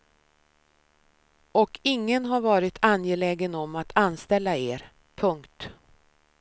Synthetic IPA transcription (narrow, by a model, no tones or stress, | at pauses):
ɔkʰɪŋːənɦaɾvɑːɾɪt̪ʰanjelɛːɡənɔmat̪ʰanst̪ɛlːaeːɾ | pʰɵŋkt̪